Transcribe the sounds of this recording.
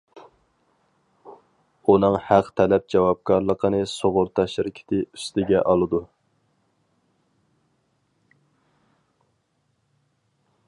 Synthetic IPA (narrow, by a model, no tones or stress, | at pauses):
unɨŋhæqt̪ʰɛlɛp̚d͡ʒɛwɑp̚kʰɑɾlˠəqʰənɨsoʁʊɾt̪ʰɑʃɪɾɪkʲʰɪ̥t̪ʰɪy̥st̪ɪɡʲɛʔɑlˠɨd̪u